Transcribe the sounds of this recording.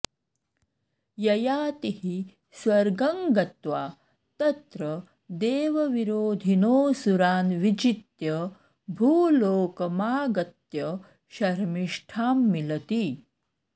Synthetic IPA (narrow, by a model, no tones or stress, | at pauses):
jɐjaːt̪ihi | sʋɐɾɡɐŋɡɐt̪ʋa̰ː | t̪ɐt̪ɾɐ | d̪eːʋɐʋiɾoːd̪ʱinoːsuɾaːnʋid͡ʒit̪jɐ | bʱuːloːkɐmaːɡɐt̪jɐ | ʃɐɾmiʂʈʰaːmːilɐt̪iː